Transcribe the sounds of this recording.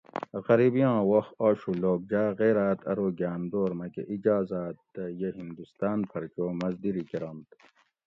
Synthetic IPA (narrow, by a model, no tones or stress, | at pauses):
ɣɐɾiːbijɑ̃ːwoxaːɕuloːk̚d͡ʒaːɣeːɾaːt̪ʰɐ̰ɾoːɡaːmd̪oːɾmɐkḛʔid͡ʒaːzaːt̪ːɐjeɦind̪ust̪aːnpʰɐɾt͡ʃoːmɐzd̪iɾikeɾɐnt̪